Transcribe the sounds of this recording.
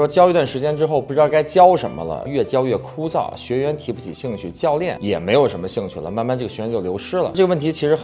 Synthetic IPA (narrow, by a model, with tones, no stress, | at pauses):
wɔ˥t͡ɕjɑ˥ʊi˧t̪wa˥˩nʂɻ̩˧˥t͡ɕjɛ˥nʈ͡ʂɻ̩˥xo˥˧ʊpu˩ɻt̪ɑ˥˧˩ka˥ɪt͡ɕjɑ˥ʊʂə̰˧˥nmə̰˧lə̰˧ɥɛ˥˩t͡ɕjɑ˥ʊɥɛ˥˩kʰu˥t͡sɑ̰˥˩ʊɕɥɛ˧˥ɥɛ˧˥nt̪ʰi˧˥pu˥˩t͡ɕʰḭ˨˩ɕi˥˧ŋt͡ɕʰy˥˩t͡ɕjɑ˥˧ʊljɛ˥˩njɛ̰˨˩me˧˥ɪjo˨˩ʊʂə˧˥nmə˧ɕi˥˧ŋt͡ɕʰy˥˩lə̰˩ma˥˩nma˥˧nʈ͡ʂɤ˥˩ɡə˩ɕɛ˧˥ɥɛ˧˥nt͡ɕjo˥˩ljo˧˥ʊʂɻ̩˥lə̰˨ʈ͡ʂɤ˥˩ɡə˧ʋə˥˩nt̪ʰi˧˥t͡ɕʰi˧˥ʂɻ̩˧˥x